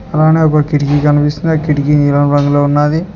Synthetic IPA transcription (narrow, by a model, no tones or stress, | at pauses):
ɐlaːneːɔkɐkiʈikikɐnipist̪und̪ɐkiʈikiniːlɐmɾɐŋɡuloːunːaːd̪i